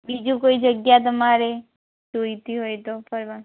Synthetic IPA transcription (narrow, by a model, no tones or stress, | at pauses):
bid͡ʒũkoːid͡ʒəɡjat̪̬əmaːɾe | t͡ʃoit̪iɦoːit̪opʰəɾʋa